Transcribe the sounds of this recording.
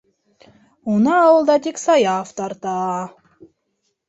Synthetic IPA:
unɑːwəlˠd̪ɑt̪iksɑjɑft̪ɑɾt̪ɑ

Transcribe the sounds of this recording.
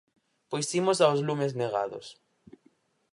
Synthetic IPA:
pojsimos̬awzlumezneɣa̰ðʊ̰s

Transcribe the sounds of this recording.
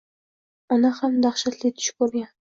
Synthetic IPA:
ɒnahamd̪aχʃat̪lɪt̪ʰʊ̥ʃkɵɾɡʲan

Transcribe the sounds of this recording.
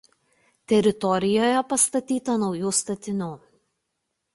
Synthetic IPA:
t̪ʲɛɾʲɪt̪ɔɾʲɪjoːjɛpɐst̪ɐt̪ʲiːt̪ɐnɒʊjuːst̪ɐt̪ʲɪnʲuː

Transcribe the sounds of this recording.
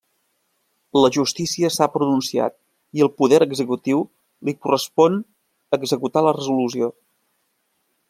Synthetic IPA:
ləʒust̪isiəsapɾununsia̰t̪̚ | iəlˠpuðɛɾəɡzəkut̪iw | likurəspɔn | əɡzəkut̪alərəzulusio

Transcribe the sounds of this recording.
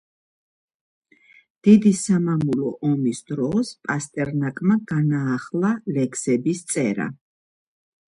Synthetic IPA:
d̪̥id̪isamamulɔʔɔmisd̪ɾɔspʼast̪ʼɛɾnakʼmaɡanaːχlˠalɛksɛbist̪sʼɛɾa̰

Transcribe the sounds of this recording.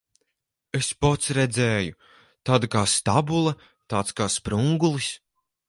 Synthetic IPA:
espɔt̪sɾɛd̪zɛːju | t̪aːd̪kaːst̪abulˠɐ | t̪aːt̪skaːspɾuŋɡulˠis

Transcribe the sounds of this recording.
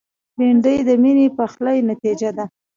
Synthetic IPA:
beɳɖəjd̪əminepəxləjnat̪id͡ʒad̪a

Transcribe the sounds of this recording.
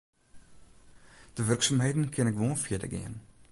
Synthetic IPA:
d̥əvərksaːmɦəjdən̩kʰɛnɛkvoːnfiədə̰ɡḭən

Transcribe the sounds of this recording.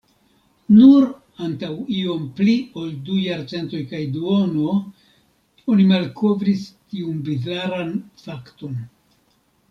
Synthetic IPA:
nuɾ | antawio̞mplioldujaɾt͡se̞nto̞jkajduono̞ | o̞nimalko̞vɾistiunbizlaɾanfakto̞n

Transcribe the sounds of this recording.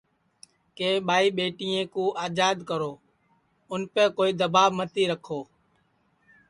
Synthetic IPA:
keːɓaːiːɓeːʈiːẽːkũːʔaːd͡ʒaːd̪kəɾoː | ʊnpẽːkoːiːd̪əbaːɓmət̪iːɾəkʰoː

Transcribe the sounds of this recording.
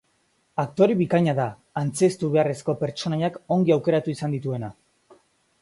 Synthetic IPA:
ak̚t̪o̞ɾiβikaɲaðaː | nt͡se̞st̪uβe̞are̞sko̞pe̞ɾt͡ʃo̞najako̞ŋɡiawke̞ɾat̪uisand̪it̪ue̞na

